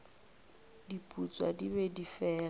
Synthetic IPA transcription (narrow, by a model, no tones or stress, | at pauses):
dipʼut͡sʼwa̰dibɛdifɛːa